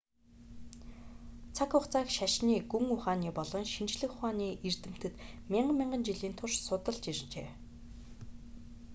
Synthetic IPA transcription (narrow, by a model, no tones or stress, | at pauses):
t͡sʰakʰʊχt͡saːkʃaʃniːɡuŋʊχaːniːpɔɮɞ̆ŋʃint͡ɕɮɘ̆xχaːniːʔer̥t̪ɘ̆m̥t̪ɘ̆t̪mʲiɴɢəmʲiɴɢə̆nt͡ɕiɮiːnt̪ʰʊrʃsʊt̪ə̆ɮt͡ɕirt͡ɕeː